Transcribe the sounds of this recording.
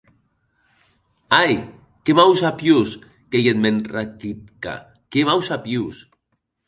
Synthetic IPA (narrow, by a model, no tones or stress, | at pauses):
aj | kemawsapjus | kejet̪menrakit̪̚ka̰ | kemawsapjus